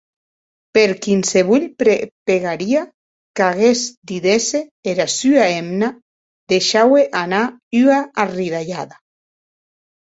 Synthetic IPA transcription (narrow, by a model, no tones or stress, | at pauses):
peɾkinseβuʎɾepeɣaɾia | kaɣezd̪iðeseeɾasyaemna | ðeʃaweʔanayaariðaʎaða